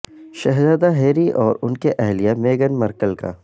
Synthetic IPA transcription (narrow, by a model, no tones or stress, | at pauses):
ʃɛɦzaːd̪aɦeːɾiʔɔːɾʊnkeʔɛɦlijameːɡənmɐɾkəlka̰